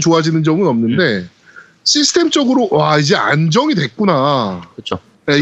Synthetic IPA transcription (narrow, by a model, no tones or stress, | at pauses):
t͡ɕoad͡ʑinɯnd͡ʑʌŋɯnʌmnɯnde̞ | ɕʰisʰɯ̥tʰe̞mt͡ɕ͈ʌɡɯɾowaid͡ʑe̞a̰nd͡ʑʌŋidwe̞k̚k͈unakɯt͡ɕʰo | je